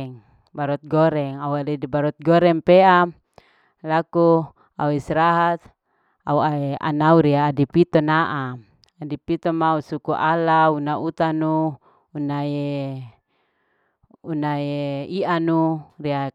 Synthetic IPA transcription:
ŋ | baɾɔt̪̚ɡɔɾɛŋauadiibaɾɔt̪̚ɡɔɾɛŋpeam | laku | auisɾaɦat̪̚ | a̰uaea̰nauɾiaːdipit̪ɔnaʔa | adipit̪ɔmausukuʔalaunaut̪anuː | nae | unaeianuria

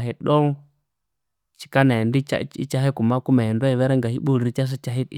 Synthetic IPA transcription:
ɦiɗoŋ | t͡ʃi̥kanandia̰ḭt͡ʃaɦekumakumaindaiweɾeŋɡahiɓulɾit͡ʃas̬it͡ʃaɦit

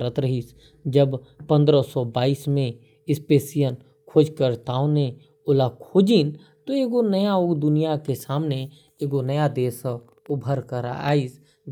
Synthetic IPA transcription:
ɾət̪ɾəɦis | d͡ʒəb | pə̃nd̪ɾəsɔbaːiːsmẽ | ɪspeːsijən | kʰoːd͡ʒkəɾt̪aːõne | ʊlakʰoːd͡ʒiːn | t̪oeːɡonəjaoːɡd̪ʊnijakesaːmne | eːɡonəjad̪eːs | ʊbʱəɾkəɾa̰a̰ːis

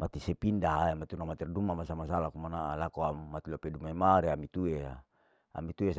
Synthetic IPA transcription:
mat̪isepindaɦaemat̪iunamat̪irdumamasamasalakumanaʔalakoamat̪ilopedumaimaɾeamit̪ue | a̰mit̪ues

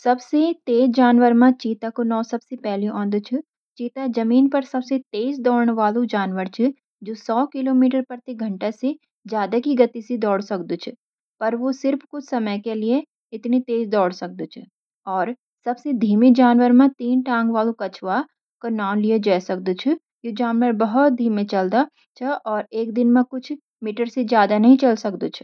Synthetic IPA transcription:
sɐbset̪eːzd͡ʒaːnʋəɾmãt͡ʃiːt̪akonɔːsɐbsepɛɦliʔɔ̃ːnd̪t͡ʃʰɪ | t͡ʃiːt̪ad͡ʒɐmiːnpɐɾsɐbset̪eːzd̪ɔːɽɳʋaːlũd͡ʒaːnʋəɾt͡ʃʰɪ | d͡ʒoːsɔːkɪloːmiːʈəɾpɐɾt̪iɡʱɐ̃ɳʈase | d͡ʒjaːd̪akiɡɐt̪isid̪ɔːɽsɐkd̪ut͡ʃʰɪ | pɐɾʋosɪɾfkʊt͡ʃʰsɐməjkelie | ɪt̪nit̪eːzd̪ɔːɽsɐk̚d̪ot͡ʃʰɪ | ɔːɾ | sɐbsed̪ʱiːmed͡ʒaːnʋəɾmẽt̪iːnʈãːŋɡʋaːlũkɐt͡ʃʰwa | konaːʊnlied͡ʒɛːsɐk̚d̪ut͡ʃʰɪ | jod͡ʒaːnʋəɾbɐɦʊt̪̚d̪ʱiːmẽt͡ʃɐld̪a | t͡ʃʰɐʔɔːɾeːkd̪ɪnmẽkʊt͡ʃʰ | miːʈəɾsed͡ʒjaːd̪anɐɦĩt͡ʃɐlsɐk̚d̪oːt͡ʃʰ

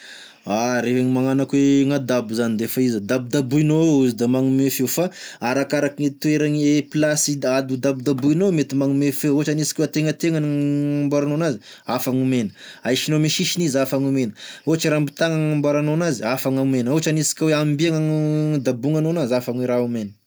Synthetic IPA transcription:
aɾefeɲimaŋanakweŋad̪abuzanid̪efaizəd̪ab̚d̪abuinouzid̪amaŋumefewfaaɾakaɾakiŋet̪ueɾaŋeplasiad̪ud̪abid̪abuinomet̪imaŋumefewot͡ʃanisi̥kweat̪eŋət̪eŋanambaɾanonazi | afaŋumenə̥ajʃinomiʃiʃinizafaŋumenəot͡ʃiɾambit̪aŋaŋambaɾanonaziafaŋaumenoɦt͡ʃanisi̥kʲaweambiaŋad̪abuŋanonazafaŋweɾaumenə

